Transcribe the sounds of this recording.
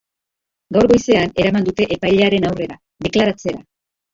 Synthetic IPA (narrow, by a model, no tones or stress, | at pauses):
ɡawɾɣo̞jse̞ane̞ɾamand̪ut̪e̞ʔepajʎe̞aɾe̞nawre̞ɾa | de̞klaɾat͡se̞ɾa̰